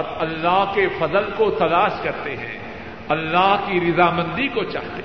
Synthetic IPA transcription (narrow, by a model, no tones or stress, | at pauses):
ɔɾɐlːaɦkefɐzəlkot̪ɐlaːʃkɐɾt̪eɦɛ̰̃ | ɐlːaɦkiɾɪzaːmɐ̃nd̪ikot͡ʃa̰ːɦt̪e